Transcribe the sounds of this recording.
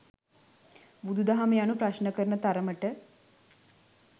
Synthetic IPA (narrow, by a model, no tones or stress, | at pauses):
bud̪ud̪aɦamejanupɾaʃnəkəɾənət̪aɾəməʈə